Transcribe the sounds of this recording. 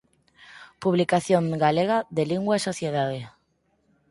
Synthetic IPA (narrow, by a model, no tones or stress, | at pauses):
puβlikaθjoŋɡaleɣ̞aðeliŋɡwaesoθjeðað̞e